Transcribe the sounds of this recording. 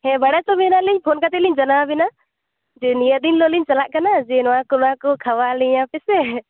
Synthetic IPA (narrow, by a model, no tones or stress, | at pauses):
hɛ̃baɽat͡ʃɔbɛnaliɲpʰonkat̪ɛliɲd͡ʒənabina | d͡ʒɛnijəd̪inlɔliɲt͡ʃalaʔ̚kanad͡ʒɛnɔwãkɔlãkɔkʰawaliɲãpɛsɛ